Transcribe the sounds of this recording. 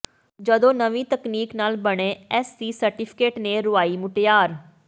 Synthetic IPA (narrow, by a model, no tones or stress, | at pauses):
d͡ʒəd̪õːnəʋĩːt̪əkniːknaːlbəɽ̃ẽːɛːsd̪iːsəɾʈɪːpʰɪ̥keːʈneːɾʊaːiːmʊʈjaːɾ